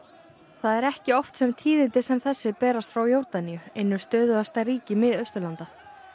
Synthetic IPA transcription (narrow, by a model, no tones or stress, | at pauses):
θaðɛɾɛhcɪɔft̪sɛmt̪ʰiːðɪnt̪ɪsɛmθɛsːɪpɛːɾast̪fɾawjowɾt̪anijʏejnːʏst̪œːðʏvast̪ariːcɪmɪðœɥst̪ʏɾlant̪a